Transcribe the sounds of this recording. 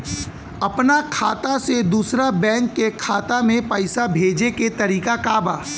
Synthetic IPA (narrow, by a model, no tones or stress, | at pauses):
ɐpnakʰaːt̪ased̪uːsɾabɛ̃ːŋkːekʰaːt̪amẽpɐɪsabʱeːd͡ʒeket̪ɐɾiːkakaːbaː